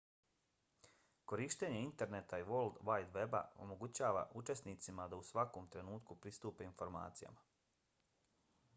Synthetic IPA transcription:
ko̞ɾiːʃt̪e̞ɲe̞int̪e̞ɾne̞t̪aiʋo̞ld̪ʋajd̪ʋe̞ba̰o̞̰mo̞ɡut͡ɕaːʋa̰ʔut͡ʃe̞sniːt̪simad̪ausʋako̞ːmt̪ɾe̞nuːt̪kupɾist̪uːpe̞info̞ɾma̰ːt̪sija̰ma

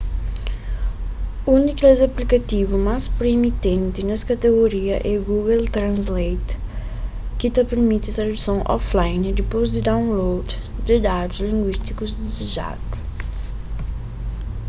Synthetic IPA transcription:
uniklezaplikat̪ivumaspɾemit̪ẽnt̪ɪnɐskat̪eɣoɾiɐʔɛɡuɡelt̪ɾɐ̃nzlejt̪ | kɪt̪ɐpeɾmit̪ɪt̪ɾɐd̪usɐ̃w̃ʔɔ̰flajnd̪ɪpojzd̪ɪd̪aw̃nlowd̪d̪ɪd̪ad̪ʊzlĩŋɡwiʃt̪ikuzd̪izeʒa̰d̪u

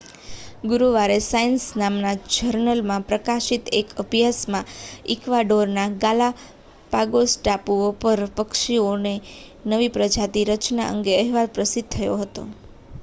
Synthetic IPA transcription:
ɡuɾuʋaɾesaənsnamnad͡ʒəɾnəlmãpɾəkaʃit̪ekəbjasmãɪkʋaɖoɾnaɡala | paɡosʈapuopəɾpəkʃione | nəʋipɾəd͡ʒat̪iɾət͡ʃna̰ʔə̰ŋɡeəɦɛʋalpɾəsid̪̚t̪ʰəjoɦət̪o̰

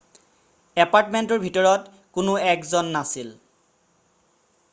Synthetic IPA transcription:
ɛpaɹtmentɔɹbʱitɔɹɔt | kʊnʊɛkzɔnːasil

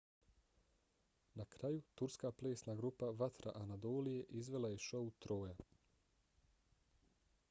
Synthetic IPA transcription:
nakɾajut̪uɾskaːple̞ːsnaːɡɾupaʋat̪ɾa̰ʔanad̪o̞ːlije̞ʔizʋe̞laje̞ʃo̞ut̪ɾo̞ːja

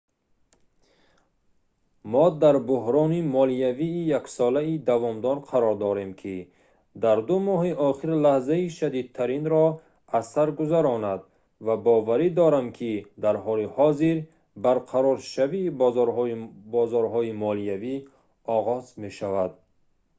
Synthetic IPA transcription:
mɔd̪aɾbʊɦɾɔnimɔlijaviːjaksɔlaid̪avɔmd̪ɔɾqʰaɾɔɾd̪ɔɾe̞mkʰi | d̪aɾd̪umɔɦiʔɔχiɾlahzaiʃad̪id̪̚t̪ʰaɾinɾɔ | asaɾɡuzaɾɔnad̪ | vabɔvaɾid̪ɔɾamkʰid̪aɾɦɔlihɔziɾ | baɾqʰaɾɔɾʃaviːbzɔɾɦɔbɔzɔɾɦɔimɔliavi | ɔʁɔzme̞ʃavad̪̚

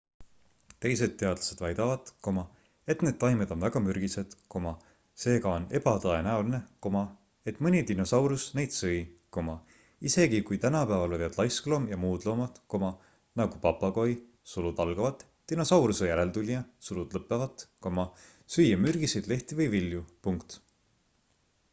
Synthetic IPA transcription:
t̪e̞jse̞d̪̥̚t̪ːe̞ɑd̪lɑse̞d̪̥vɑjd̪̥ɑvɑt̪ko̞mɑ | e̞t̪ne̞d̪̥̚t̪ɑjmed̪o̞nvæɡ̥ɑmyɾɡ̥ised̪̥ko̞mɑ | se̞ːɡɑo̞ne̞bɑt̪ɤe̞næuline̞ko̞mɑ | e̞t̪ːˑmɯnʲit̪ino̞sɑwɾusne̞jd̪̥sɯjko̞mɑ | ise̞ɡ̥ikujt̪ænɑpæːvɑlojvɑd̪̥lɑjsklo̞mjɑmuːd̪̥lo̞ːmɑt̪ko̞mɑ | nɑɡ̥upɑpːˑɑɡo̞j | sulud̪ɑlɡ̥ɑvɑt̪ːino̞sɑwɾusejæɾelt̪ulʲjɑsulud̪̥lɤpˑːevɑt̪ko̞mɑ | syjːemyrɡ̥isejd̪le̞ht̪ivɯjviljupuŋkt̪

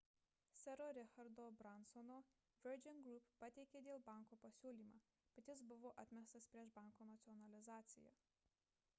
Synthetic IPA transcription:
sʲɛɾoːɾʲɛxɐɾd̪oːbɾɐnsɔnoː | ʋʲɛɾd͡ʒʲɪnɡɾʊppɐt̪ʲɛɪkʲeːd̪ʲeːlˠbɑˑŋˑkoːpɐsʲuːlʲiːmaː | b̥ʲɐt̪ʲɪs̬bʊʋoːʔɐt̪ʲmʲɛst̪ɐspʲɾʲiɛʃbɑˑŋkoːnɐt̪sʲɪɔnɐlʲɪzɑːt̪sʲɪ̰jo̰

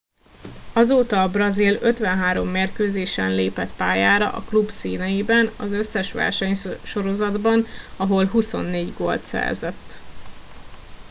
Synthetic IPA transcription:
ɒzoːt̪ɒːbrɒziløt̪ʋɛnɦaːɾo̞mːeːrkøːzeːʃɛnleːpɛt̪paːjaːɾɒ̰ʔɒ̰klubsiːnɛjibɛnɒzø̞sːɛʃʋɛ̰rʃɛɲʃo̞ɾo̞zɒd̪bɒnɒɦo̞lɦuso̞̰nːeːɟɡo̰lt̪sɛ̰rzɛ̰t̪ː

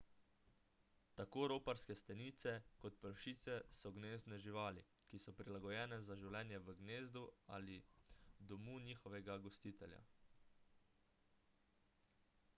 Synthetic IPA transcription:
t̪akoːɾoːpaɾskɛst̪aniːt̪sɛkɔt̪pəɾʃiːt̪sɛsɔɡneːznɛʒiʋaːli | kisɔpɾilaɡɔjɛːnɛzaʒiwlɛːnjɛʋəɡneːzd̪ua̰lid̪ɔmuːniːxɔʋɛɡaɡɔst̪iːt̪ɛlʲja̰

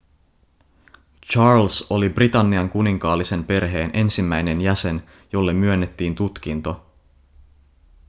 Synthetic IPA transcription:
t͡ʃɑːrlso̞librit̪ɑnːiɑŋkuniŋkɑːlːise̞mpe̞rɦe̞ːnʔe̞nsimːæjne̞njæse̞n | jo̞lːe̞mːyø̞nːet̪ːiːnt̪ut̪k̟int̪o̞

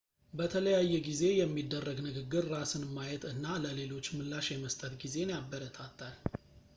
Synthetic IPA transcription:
bət̪ʰələjajːɛɡize̞jɛmːid̪ːərːəɡnɨɡɨɡːɨɾːasɨnmːajɛt̪ɨnːaləle̞lo̞t͡ʃːmɨlːaʃjɛməst̪ʼət̪ɡize̞njabːəɾət̪ʰat̪ːal

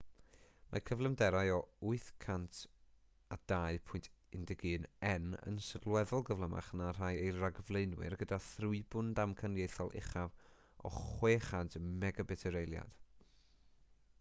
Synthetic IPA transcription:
mʔa̰kʰəvlˠɛmdɛɾajɔʊɨθkʰantʰ | ad̥aɨpʰʊjntʰ | ɪndɛɡɨːnɛnə̰nsədlˠwɛðʊlˠɡəvlˠəma̰χnar̥ajejraɡəvlˠejnwɪ̰rɡədaθrʊɨbʊndamkʰanjejθɔlˠʔɪ̰χav | ɔ̰χweːχantʰmɛɡabɛtʰɛɾejlˠja̰d̥

